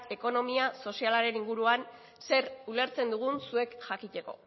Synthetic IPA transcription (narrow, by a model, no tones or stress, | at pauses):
e̞ko̞no̞miaso̞sialaɾe̞niŋɡuɾuan | se̞ɾule̞ɾt͡se̞nd̪uɣ̞unsue̞kʝakit̪e̞ko̞̰